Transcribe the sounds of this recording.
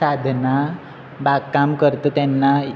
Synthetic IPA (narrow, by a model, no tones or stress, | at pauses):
ad̪ʱna | baɡkːamkəɾt̪ət̪janːa